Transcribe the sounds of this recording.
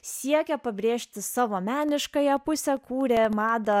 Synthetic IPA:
sʲiɛkʲɛpɐbʲɾʲeːʃʲt̪ʲɪsɑːʋoːmʲæːnʲɪʃkɐjɛpʊsʲɛkuːɾʲɛmɑːd̪ɐ

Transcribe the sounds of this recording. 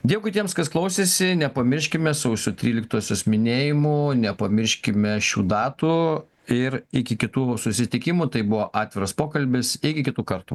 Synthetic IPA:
d̪ʲiɛkʊɪt̪ʲiɛmskɐsklˠɐʊsʲeːsʲɪnʲɛpɐmʲɪʃʲkʲɪmʲɛsɐʊsʲʊt̪ʲɾʲiːlʲɪkt̪oːsʲoːsmʲɪnʲeːjɪmʊnʲɛpɐmʲɪɾʲʃʲkʲɪmʲɛʃʲṵːd̪ɑːt̪uː | ɪɾɪkʲɪkʲɪt̪uːsʊsʲɪt̪ʲɪkʲɪmut̪ɐɪbʊʋoːʔɑːt̪ʲʋʲɪɾɐspoːkɐlʲbʲɪsɪkʲɪkʲɪt̪uːkɐɾt̪ṵ

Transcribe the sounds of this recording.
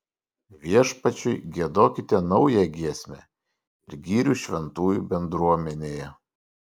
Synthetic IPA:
ʋʲiɛʃpɐt͡ʃʲʊɪɡʲiɛd̪oːkʲɪt̪ʲeːnɒʊjɛɡʲiɛsʲmʲɛ | ɪɾɡʲiːɾʲuˑʃʲʋʲɛnt̪uːjubʲɛnd̪ɾuɔmʲɛnʲeːjɛ

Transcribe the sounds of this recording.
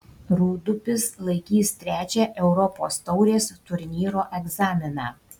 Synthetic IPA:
ɾuːd̪ʊpʲɪslˠɐɪkʲiːst̪ʲɾʲæːt͡ʃʲɛːʔɛʊɾɔpo̰ːst̪ɒʊɾʲeːst̪ʊɾʲnʲiːɾoːʔɛɡzɑːmʲɪnɑː

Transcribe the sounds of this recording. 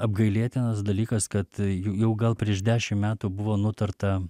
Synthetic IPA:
ɐb̚ɡɐɪlʲeːt̪ʲɪnɐsd̪ɐlʲiːkɐskɐt̪jʊjɛʊɡɐlˠpʲɾʲiɛʃd̪ʲæːʃʲɪmmʲæːt̪uːbʊʋoːnʊt̪ɐrt̪ɐ

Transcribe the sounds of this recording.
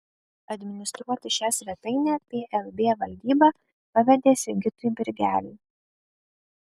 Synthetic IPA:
ɐd̪ʲmʲɪnʲɪst̪ɾuɔt̪ʲɪʃʲæsʲʋʲɛt̪ɐɪnʲɛːpʲeːʔɛlˠbʲeːʋɐlʲd̪ʲiːbɑ | pɐʋʲɛd̪ʲeːsʲɪɡʲɪt̪ʊjbʲɪɾʲɡʲæːlʲiː

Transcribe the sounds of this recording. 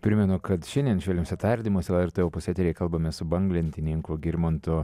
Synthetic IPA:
pʲɾʲɪmʲɛnʊkɐt̪ʃʲɛnd̪ʲiɛnʃʲʋʲɛlʲɛmsʲɛt̪ɐɾʲd̪ʲimoɔsʲɛlˠɛɾt̪ɛopʊsʲɛt̪ʲɾʲɛkɐlˠbɐmʲɛsʊbɐŋɡlʲɛnʲt̪ʲɪnʲɪŋkʊɡʲɪɾʲmont̪ʊ

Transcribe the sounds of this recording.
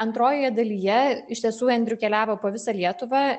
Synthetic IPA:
ɐnt̪ɾoːjoːjɛd̪ɐlʲiːjɛɪʃt̪ʲiɛsuːɛnʲd̪ʲɾʲʊkʲɛlʲæːʋoːpoːʋʲɪsɑlʲiɛt̪ʊʋɑː

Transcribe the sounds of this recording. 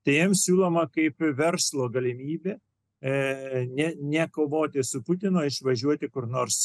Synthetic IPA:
t̪ɐɪjɛmsʲuːlˠoːmɐkɐɪpʋʲɛrslˠoːɡɐlʲɪmʲiːbʲeː | nʲɛnʲɛkoːʋoːt̪ʲɪsʊpʊt̪ʲɪnoːɪʃʋɐʒʲuɔt̪ʲɪkʊrnoːrs

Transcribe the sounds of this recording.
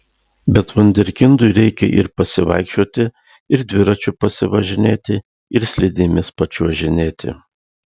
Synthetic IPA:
bʲɛt̪ʋʊnʲd̪ʲɛɾʲkʲɪnd̪ʊɪɾʲɛɪkʲɛ̰ʔɪ̰ɾpɐsʲɪʋɐ̰ɪkʃʲt͡ʃʲuɔt̪ʲɪ | ɪɾd̪ʲʋʲɪɾɐt͡ʃʲʊpɐsʲɪʋɐʒʲɪnʲeːt̪ʲɪ | ɪɾsʲlʲɪd̪ʲɪmʲɪspɐt͡ʃʲuɔʒʲɪnʲeːt̪ʲɪ̰

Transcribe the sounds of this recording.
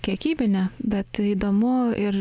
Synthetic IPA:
kʲiɛkʲiːbʲɪnʲɛbʲɛt̪iːd̪oːmʊɪɾ

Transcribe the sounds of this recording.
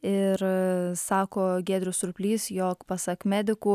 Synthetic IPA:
ɪɾsɑːkoːɡʲeːd̪ʲɾʲʊsʊɾʊpʲlʲiːsjoːkpɑsɐkmʲæːd̪ʲɪkuː

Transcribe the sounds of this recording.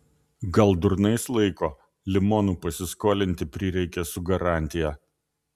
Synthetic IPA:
ɡɐlˠd̪ʊɾnɐɪslˠɐɪkoː | lʲɪmoːnuːpɐsʲɪskoːlʲɪnʲt̪ʲɪpʲɾʲɪɾʲɛɪkʲɛsʊɡɐɾɑˑnʲt̪ʲɪjɛ

